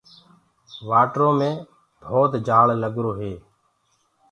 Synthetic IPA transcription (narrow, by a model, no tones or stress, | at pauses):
ʋaːʈɾõːmẽː | bʱoːt̪d͡ʒaːɭləɠɾoːɦeː